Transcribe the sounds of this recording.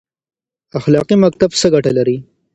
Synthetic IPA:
axlɑqimak̚t̪absəɡaʈalaɾi

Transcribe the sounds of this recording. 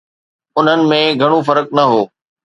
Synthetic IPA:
ʊn̤ənɪ̆mẽɡʱɐɽ̃ofɐɾək̚nɐɦoː

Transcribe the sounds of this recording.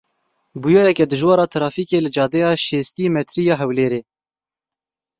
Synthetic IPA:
bujɑːɾɛkɛd̪ɨʒwɑːɾɑːt̪ʰɾɑːfiːkeːlɨd͡ʒɑːd̪ɛjɑːʃeːst̪iːmɛt̪ʰɾiːjɑːɦɛwleːɾeː

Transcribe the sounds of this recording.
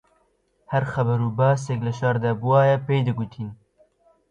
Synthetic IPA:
hɐɾxɐbɐɾuːbɑːs̬eklɨʃɑɾd̪aːbuwɑːjɛpeːjd̪ɨɡut̪ʰiːn

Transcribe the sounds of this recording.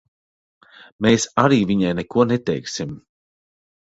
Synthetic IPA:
meːsaɾiːviɲajnɛkuɔnɛt̪ɛjksim

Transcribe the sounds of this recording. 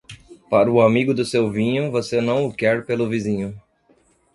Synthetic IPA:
paɾʊamiɡʊd̪ʊsewvĩɲʊvosenɐ̃w̃ʊkɛɾpelʊvizĩɲʊ

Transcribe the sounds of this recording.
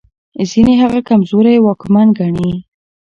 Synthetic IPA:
zineɦaɣakamzoɾajwɑkmanɡaɳi

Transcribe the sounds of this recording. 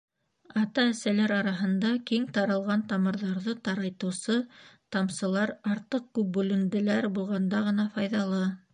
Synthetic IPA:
ɑt̪ɑɘ̆sælæɾɑɾɑɦɤ̆nd̪ɑkiŋt̪ɑɾɤ̆lˠʁɑnt̪ɑmɤ̆ɾðɑɾðɤt̪ɑɾɑjt̪ɤ̆wsɤt̪ɑmsɤ̆lˠɑɾɑɾt̪ɤq̚kʉp̚bʉlɘ̆nd̪ɘ̆læɾbulˠʁɑnd̪ɑʁɤ̆nɑfɑjðɑlˠɤ

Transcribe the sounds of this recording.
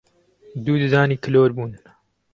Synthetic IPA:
d̪uːd̪ɨzaːniːkʰɨloːɾbuːn

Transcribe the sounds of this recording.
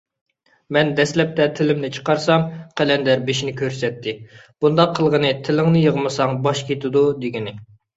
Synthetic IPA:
mɛnd̪ɛslɛp̚t̪ʰɛt̪ʰɪlɪmnɪt͡ʃʰə̥qɑɾsɑmqʰælɛnd̪ɛɾbeʃinɪkʲʰøɾsɛt̪ʰːɪb̥und̪ɑqʰːəlˠʁənɨt̪ʰɪlɪŋnɨjəʁmɨsɑŋbɑʃkʲʰet̪ɪd̪ud̪eɡʲinɪ

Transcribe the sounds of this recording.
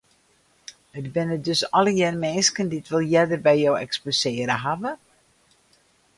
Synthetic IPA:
ətbɪnədøsɔləjɛrmɛːnskəndiətʋɪlˠjɛdərbɛjjowɛksposɪːəɾəɦavə

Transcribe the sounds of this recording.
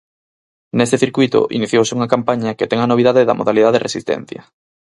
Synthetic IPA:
nest̪eθiɾkwuit̪ʊ̰ʔḭniθjowsɪuŋɐkampaɲɐket̪ɛŋɐnoβiðaðeðɐ̰moðaliðaðrḛsist̪ɛ̰n̟θjɐ̰

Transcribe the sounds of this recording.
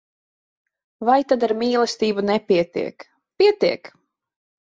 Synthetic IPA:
vajt̪ad̪aɾmʲiːlˠɛst̪iːbunɛpʲiɛt̪ḭɛk | piɛt̪iɛk

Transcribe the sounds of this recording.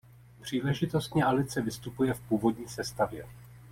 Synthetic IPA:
pr̝̥iːlɛʒɪt̪o̞st̪ɲɛʔalɪt͡sɛvɪst̪upujɛfpuːvo̞dɲiːsɛst̪avjɛ̰

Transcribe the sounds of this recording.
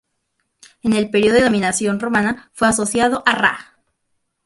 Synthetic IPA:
ene̞lpeɾjiomĩnasjo̞nro̞manafwe̞aso̞sjaðoʔara̰

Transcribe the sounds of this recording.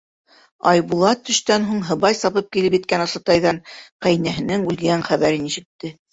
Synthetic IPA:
ɑjβulˠɑt̪ːɵ̆ʃt̪ænɦuɴɦɤ̆βɑjsɑβɤp̚kilɘpjɘ̆t̪̚kænɑ̆sɤ̆t̪ɑjðɑɴqæjnæɦɘ̆nɘŋʉlɡæɴχæβæɾɘniʃɘ̆k̚t̪ːɘ

